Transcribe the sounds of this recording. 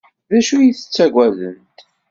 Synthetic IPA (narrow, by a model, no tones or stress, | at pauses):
ðæʃujiθə̥t͡sːæɡʷæðə̰nt̪